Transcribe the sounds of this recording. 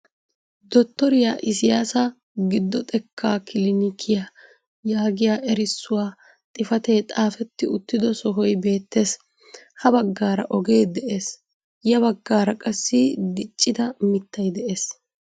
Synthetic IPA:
d̪ɔt̪ːɔɾɪjaːʔɪsɪjaːsɐ | ɡɪd̪ːɔt̪ʼɛkʰːaːkɪlɪnɪkʰɪja | jaːɡɪjaːʔɛɾɪsːʊwaː | t̪ʼɪfɐt̪eːt̪ʼaːfɛt̪ːɪʊt̪ːɪd̪ɔsɔɦɔjbe̞ːt̪ːe̞ːs | hɐbɐɡːaːɾɐ̰ʔɔɡe̞ːd̪ɛʔe̞ːs | jɐβɐɡːaːɾɐkʼɐsːɪd̪ɪt͡ʃʼːɪd̪ɐmɪt̪ːɐjd̪ɛʔe̞ːs

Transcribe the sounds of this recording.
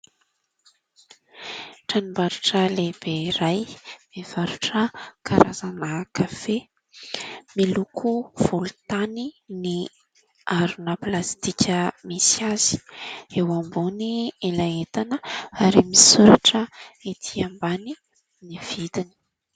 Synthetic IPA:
ʈ͡ʂanimbaɾuʈ͡ʂəleb̥eɾajm̥ev̥aɾuʈ͡ʂəkʰaɾazanaːkafe | milukʰuv̥ulut̪anini | aɾunəplast̪ikʰʲəmisiaz̥i̥ewambunielaet̪anəaɾimisuɾaʈ͡ʂəet̪ʰiambani | niv̥id̪ini̥

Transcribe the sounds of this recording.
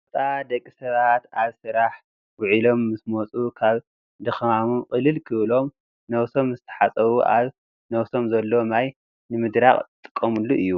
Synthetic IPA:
bt̪ʼad̪ɐkʼːisɐβat̪aβsɨɾaħ | ɡʊʕilo̞mːɨsmot͡sʼukʰaβ | d̪ɨxmamunkʼɨlɨlkʰɨβlo̞m | nɐwso̞mzɨt̪ʰɐ̥ħat͡sʼɐβuʔaβ | nɐwso̞mzɐlːo̞maj | nɨmɨd̪ɾaχʼt̪ʼɨ̥kʼːɐmulːuʔɨjːu

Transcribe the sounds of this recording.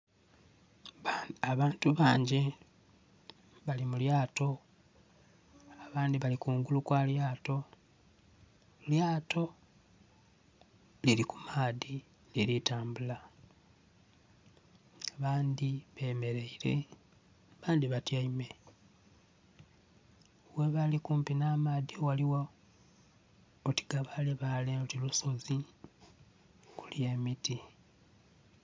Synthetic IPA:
aβaːntuβaːɲɟe | βalimuljaːto̞ | aβaːndiβalikuːŋɡulukwaːljaːto̞ | ljaːto̞ | liɾikumaːði | liɾitaːmbula | aβaːnd̪iβe̞ːme̞ɾe̞iɾḛ | βaːnd̪iβatjaime̞ | we̞βalikuːmpinaːmaːðiowaliwo | oti̥ɡaβaleβaleotiluso̞zi | kuljeːmiti

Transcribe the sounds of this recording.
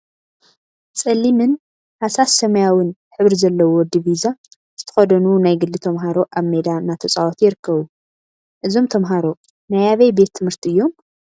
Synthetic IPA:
t͡sʼɐlːimɨn | hasasːɐmɐjawɨnħɨβɾizɐlːɐwod̪iβiza | z̥ɨt̪ʰɐ̥xɐd̪ɐnunajɡɨlːɨt̪ʰɐmɦaɾo̞ʔaβmed̪anat̪ʰɐt͡sʼawot̪ʰjɪɾɨkːɐβu | ʔɨzo̞mt̪ʰɐmɦaɾo̞ | najaβɐjbe̞t̪ʰːɨmhɨɾt̪ʰiɨjːom

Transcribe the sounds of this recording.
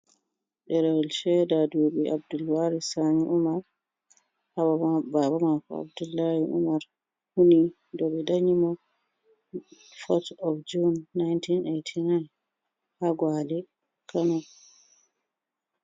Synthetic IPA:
ɗɛɾalʃɛdadoːɓiʔa̰b̚dulwaɾisaɲiʔumaɾ | hababamakɔ̰a̰bdulːahiʔṵmaɾ | huni | dɔɓɛdaɲimɔ | fɔtɔfd͡ʒunːajntʰinejtʰinajn | haɡwalɛ | kʰanɔ

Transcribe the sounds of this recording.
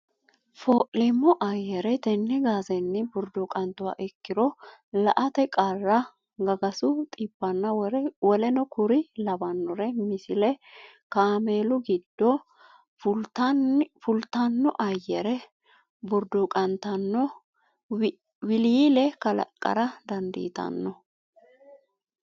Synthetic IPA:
foːʔlɛmːɔʔɐjːɛɾɛt̪ɛnːɛɡaːzɛnːɪbʊɾd̪ʊkʼɐnt̪ːʊwa̰ːʔɛkːɪɾɔlɐʔɐt̪ɛkʼarːɐ | ɡɐɡɐsʊt̪ʼɪpːɐnːɐwɔlɛnɔkʊɾɪlɐbɐnːɔɾɛmɪsɪlɛ | kaːmeːlʊɡɪd̪ːɔ | fʊlt̪ɐnːɔʔɐjːɛɾɛ | bʊɾd̪ʊkʼɐnt̪ɐnːɔ | wɪlilɛkɐlɐ̰kʼːɐ̰ɾɐd̪ɐnd̪ḭːt̪ɐ̰nːɔ

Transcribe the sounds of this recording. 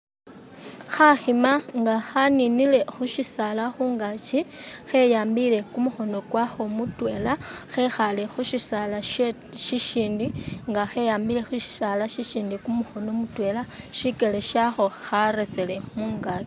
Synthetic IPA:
xaximaŋɡaxaninile̞xuʃisalaxuːŋɡat͡ʃixe̞jaːmbile̞kumuxo̞no̞kwaxo̞mutwe̞ːlaxe̞xale̞xuʃisala | ʃiʃiːndiŋɡaxe̞jaːmbile̞xuʃi̥salaʃiʃiːndikumuxo̞no̞mutwe̞laʃike̞le̞ʃaxo̞xaɾe̞sele̞muːŋɡat͡ʃi̥

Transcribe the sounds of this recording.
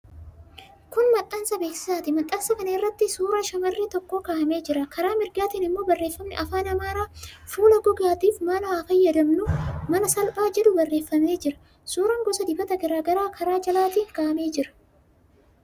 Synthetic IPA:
kʊnmɐt̪ʼːɐnsɐbeːsɪ̥saːt̪ɪmɐt̪ʼːɐnsɐkɐnɐɪrːɐt̪ːɪsuːɾɐʃɐmɐrːit̪ɔkːoːkaːʔɐmeːd͡ʒɪɾɐkɐɾaːmɪɾɡaːt̪iːnɪmːo̞ːbɐrːeːfːɐmnɪʔɐfaːnɐmaːɾaːfuːlɐɡɔɡaːt̪iːfmɐnɐwaːfɐjːɐd̪ɐmnʊmɐnɐsɐlpʼaːd͡ʒɛᶑ̪ʊbɐrːe̞ːfːɐmneːd͡ʒɪɾɐ̥ | suːɾɐŋɡɔsɐd̪ɪbɐt̪ɐɡɐɾaːɡɐɾaːkʰɐɾaːd͡ʒɐlaːt̪iːŋkaːʔɐmeːd͡ʒɪɾɐ̥

